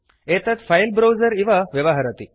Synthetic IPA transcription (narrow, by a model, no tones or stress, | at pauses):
et̪ət̪fajlbɾowd͡zəɾiʋaʋjəʋaɦaɾat̪i